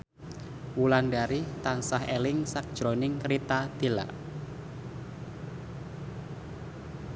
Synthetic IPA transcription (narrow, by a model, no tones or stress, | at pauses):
wulanɖaɾit̪ansahelɪŋsak̚d̥ʒ̥ɾonɪŋkɾit̪ad̪̥e̤la̰